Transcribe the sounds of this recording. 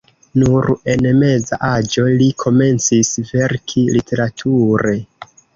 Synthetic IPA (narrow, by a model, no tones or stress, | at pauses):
nuɾe̞nme̞zaʔad͡ʒo̞likʰo̞me̞nt͡sisve̞ɾkʰilitʰe̞ɾatʰuɾe̞